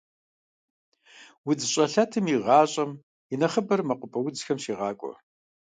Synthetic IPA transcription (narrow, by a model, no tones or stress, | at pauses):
wʊd͡zɨɕʼɐɬɐtʰɨmiʁɑːɕʼɐm | inɐχəbɐrmɐqʷʊpʰʼɐwʊd͡zxɐmʃiːʁɑːkʷʼɔ̰